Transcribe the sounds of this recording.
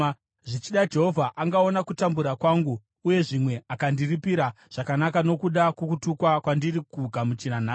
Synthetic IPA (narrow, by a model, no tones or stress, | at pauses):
ʐit͡ʃiɗad͡ʒe̞ɦovʱaʔaŋɡao̞nakutambuɾakwaːŋɡuː | je̞ʐimwe̞akandiripiɾa | ʐ̥akanakano̞kuɗakukutukwakwandirikuɡʱamut͡ʃinanaː